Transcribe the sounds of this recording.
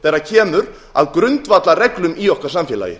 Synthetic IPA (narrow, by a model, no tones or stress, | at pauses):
θɛːɾːacʰɛːmʏɾ | a̰ðkɾʏnt̪vat̪larɛklʏmiɔhkaɾ̥samfjɛːla̰jɪ̰